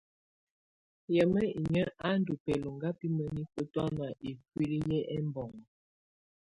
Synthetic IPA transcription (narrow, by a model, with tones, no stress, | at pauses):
jɛ˨mə˦i˨ɲə˦ʔa˦n̩˦du˨pɛ˨lo˨ŋɡa˦pi˦mə˦ni˦pə˦ta˦na˨ʔe˨kwi˦li˦jɛ˦ʔɛ˦mbɔ˨ŋ˨